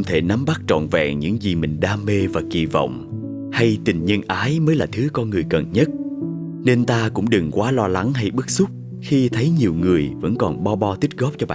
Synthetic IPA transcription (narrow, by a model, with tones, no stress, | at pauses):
ŋ͡mt̪ʰe˧˩na˨˦mɓa˦˥k̚t͡ɕɔ̰˧˨nvɛ̰˧˨ɲɨ̰˧˥ŋzi˨˩mï˨˩ŋ̟ɗaː˧me˧vaː˨˩ki˧˩vɔ̰˧˨wŋ͡m | ha˧jt̪ï˨˩ŋ̟ɲə˧nʔaː˨˦jməː˨˦jlaː˨˩t̪ʰɨ˨˦kɔ˧nŋɨ˨˩əjkə˨˩nɲə˦˥t̚ | ne˧nt̪aː˧kʊ̰˧˥ŋ͡mɗɨ˨˩ŋkwaː˨˦lɔ˧la˨˦ŋɦa˧jɓɨ˦˥k̚sʊ˦˥k͡p̚ | xi˧t̪ʰə˨˦jɲi˨˩əwŋɨ˨˩əjvə̰˧˥nkɔ˨˩nɓɔ˧ɓɔ˧t̪i˦˥kt̚ɣɔ˦˥p̚t͡ɕɔ˧ɓa̰ː˧˨